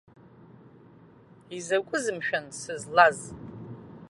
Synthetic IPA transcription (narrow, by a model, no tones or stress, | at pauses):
izakʷʼʊzɨmʃᶣansɨzlaz